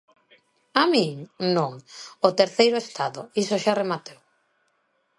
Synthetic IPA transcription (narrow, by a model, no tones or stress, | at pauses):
amĩŋnõŋot̪eɾθejɾʊest̪aðoisoʃaremat̪ew